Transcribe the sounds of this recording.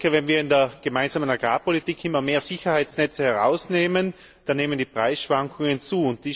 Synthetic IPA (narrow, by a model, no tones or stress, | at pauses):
əvɛnviːɐɪndeːɐɡ̥əmaɪnzaːmənaɡʁaːpolitiːkʰʔɪmːɐmeːɐzɪçɐhaɪsnɛt͡səhɛɐʁa̰ʊsneːmən | d̥aneːməndiːpʁ̥aɪsʃv̥aŋkʰʊŋənt͡suːʊnt̚d̥iː